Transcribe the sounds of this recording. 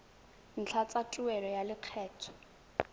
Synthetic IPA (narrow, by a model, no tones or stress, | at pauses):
n̩t͡ɬʰat͡sʼatʼuɛlɔjalɪq͡χʰɛːtʰɔ̥